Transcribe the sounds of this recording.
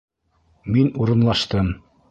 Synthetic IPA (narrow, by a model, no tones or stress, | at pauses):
minuɾɤ̆nlˠɑʃt̪ɤm